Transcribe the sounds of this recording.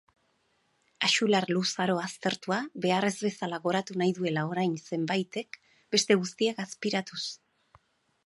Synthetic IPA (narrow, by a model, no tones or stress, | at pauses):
aʃularlusaɾo̞ast̪e̞ɾt̪uaβe̞are̞zβe̞salaɣo̞ɾat̪unajðue̞lao̞ɾajnse̞mbajt̪e̞k | be̞st̪e̞ɣust̪iakaspiɾat̪us